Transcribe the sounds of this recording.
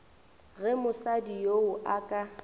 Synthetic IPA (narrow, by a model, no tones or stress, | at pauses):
ɣɛmʊsadijoʊʔakʼa